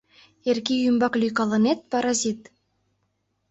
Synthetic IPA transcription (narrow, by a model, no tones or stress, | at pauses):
erkijymbɑklʲyjkɑlˠɤ̆net̪̚pɑɾɑzʲit̪